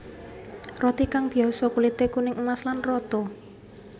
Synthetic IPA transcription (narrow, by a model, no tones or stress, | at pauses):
rɔt̪ikaŋb̥i̤ɔsɔkulit̪ekunɪŋəmaslanrɔt̪ɔ